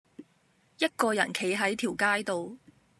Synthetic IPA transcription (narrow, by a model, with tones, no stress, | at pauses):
jɐ˥t̚kɔː˧jɐ˨˩nkʰe˨˥jɦɐ˨˥jt̪ʰiː˨˩wkaː˥jt̪o˨˧w